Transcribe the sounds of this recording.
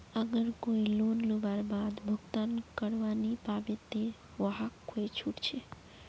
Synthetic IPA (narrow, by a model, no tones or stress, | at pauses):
əɡəɾkoilonlubaɾbad̪bʱəɡt̪ankəɾʋanipabet̪ːe | ʋəɦakʰːoet͡ʃʰuʈt͡ʃʰe